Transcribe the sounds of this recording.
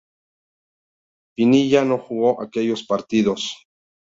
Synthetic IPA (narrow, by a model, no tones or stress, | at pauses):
pinijanoxuɣoʔakejospaɾt̪iðos